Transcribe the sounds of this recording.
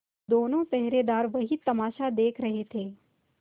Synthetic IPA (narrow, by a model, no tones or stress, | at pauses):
d̪oːnõt͡ʃɛɦɾed̪aːɾʋɐɦit̪ɐmaːʃad̪eːkʰɾɐɦet̪ʰeː